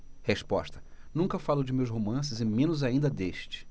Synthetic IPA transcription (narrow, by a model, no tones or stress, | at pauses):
heʃpɔ̰ʃt̪ɐ̥nũkɐfalʊd͡ʒɪmewsɦomɐ̃s̬ɪzɪmẽnʊzaĩnd̪ɐd̪eʃt͡ʃɪ̥